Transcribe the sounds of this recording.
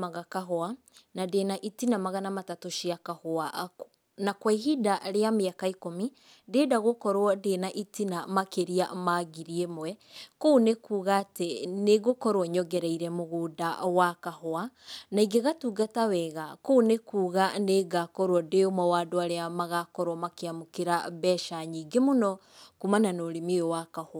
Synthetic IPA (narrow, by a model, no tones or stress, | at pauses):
maɣakaɦɔa | nadenaʔitinamaɣanamatatoʃiakahoaʔ | nakwaiɦidaɾeameakaikomi | deːdaɣokɔɾwɔdenaʔitinamakeɾiamaɣiɾiemowɛkoːnekuːɣateneɣokɔɾwɔɲɔɡɛɾɛiɾɛmoɣuːdawakahoanaiɡeɣatuɡatawɛɣakoːnekuːɣaneɡakɔɾwɔdeomɔwaːdoaɾeamaɣakɔɾwɔmakeamokeɾaβɛʃaɲiɡemonɔ | kumananoːɾimeowakahoa